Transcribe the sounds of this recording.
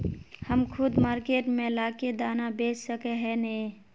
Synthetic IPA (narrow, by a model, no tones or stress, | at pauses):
həmkʰʊd̪maːɾkeːʈmẽlaːked̪aːnabeːssəkeɦɛne